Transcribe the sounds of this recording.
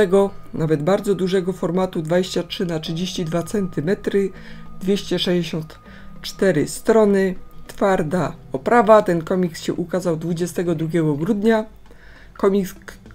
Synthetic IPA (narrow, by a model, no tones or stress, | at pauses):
ɛɡɔnʔavɛd̪baɾd̪zɔd̪uʐɛɡɔfɔɾmat̪ud̪vad͡ʑeɕt͡ɕatʂɘnatʂɘd͡ʑeɕt͡ɕid̪vat̪sɛnt̪ɘmɛt̪ɾɘ | d̪̥vʲjeɕt͡ɕɛʂɛʑd͡ʑeɕɔ̃nt̪ | t͡ʂt̪ɛɾɘ̰st̪ɾɔnɘt̪faɾd̪aɔpɾavat̪ɛnkɔmʲiksɕɛʔukazawd̪vud͡ʑɛst̪ɛɡɔd̪ɾuɡʲjɛɡɔɡɾud̪ɲa | kɔmʲi